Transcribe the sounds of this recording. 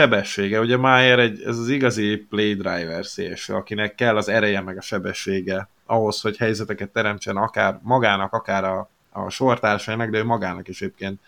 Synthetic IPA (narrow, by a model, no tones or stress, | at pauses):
ʃɛbɛʃːeːɡɛuɟɛmaːjeɾɛɟːɛ̰zɒziɡɒziplejd̪rajvɛrsḛːʃɒkinɛkːɛlːɒzɛɾɛjɛmɛɡɒʃɛbɛʃːeːɡɛ | ɒɦo̞sho̞chɛjzɛt̪ɛkɛt̪ːɛɾɛmt͡ʃɛnɒkaːrmɒɡaːnɒkɒkaːɾɒ̰ː | ʃo̞rt̪aːrʃɒjinɒɡd̪ɛøːmɒɡaːnɒkɛʃeːp̚keːnt̪